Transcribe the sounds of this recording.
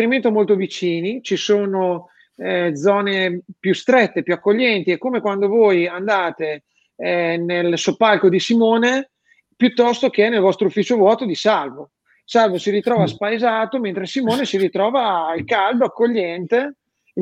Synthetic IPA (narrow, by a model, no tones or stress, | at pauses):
ɾiment̪omolt̪ovit͡ʃiːnit͡ʃisoːno | d̪zɔːnepjust̪ɾɛt̪ːepjuakːoʎːɛnt̪iɛkːomekwand̪ovoːjand̪aːt̪e | nelsopːalkod̪isimoːne | pjut̪ːɔst̪ok̟eɛnelvɔst̪ɾoufːiːt͡ʃovwɔːt̪od̪isalvo | salvosiɾit̪ɾɔːvaspajzaːt̪oment̪ɾesimoːnesiɾit̪ɾɔːvalkald̪oakːoʎːɛnt̪e